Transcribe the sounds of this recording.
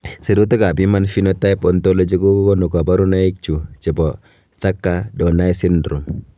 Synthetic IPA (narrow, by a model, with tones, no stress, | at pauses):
si˨ɾu˦t̪a˦ka˨bimanfinɔt̪a˦pɔnt̪olod͡ʒi˦ku˦kɔnu˨ka˨ba˦ɾu˦naik̚t͡ʃu˨t͡ʃɛ˨bɔ˨ | t̪a˦kːadɔnai˦si˦ndɾu˨m